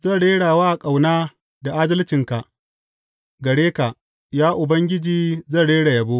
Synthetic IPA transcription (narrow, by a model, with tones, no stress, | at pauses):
zɐ˦˨ɽeː˦ɽaː˨waː˦ʔa˨kʼa˨wnaː˦ | da˨ʔa˦dɐ˦lt͡ʃɪ˨ŋka˨ʔ | ɡɐ˨ɽeː˦ka˨ʔ | jaː˦ʔʊ˨bɐ˦ŋɡʲɪ˦d͡ʒiː˨zɐ˦˨ɽeː˦ɽa˨jɐ˨boː˦